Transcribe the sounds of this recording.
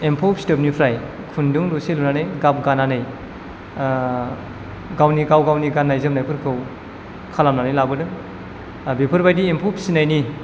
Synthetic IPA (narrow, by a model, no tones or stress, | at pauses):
empʰopʰisi̥tɯp̬̚nipʰɾaj | kʰunduŋloselunanɯjɡap̚ɡananɯj | ɡawniɡawɡawniɡanːajzɯmnajpʰɯɾkʰɯw | kʰalamnanajlabɯdɯŋ | bepʰɯɾbajdiempʰopʰi̥sinajni